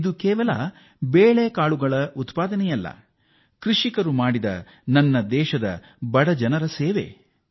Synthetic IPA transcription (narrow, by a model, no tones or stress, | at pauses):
d̪ukɛːʋɐlɐ̰ | beːɭeːkaːɭuɡɐɭɐʔut̪paːd̪ɐnɛjɐlːɐ̰ | kɾiʂikɐɾumaːɽid̪ɐ̰ | nɐnːɐd̪ɛːʃɐd̪ɐ̰ | bɐɽɐd͡ʒɐnɐɾɐseːʋḛ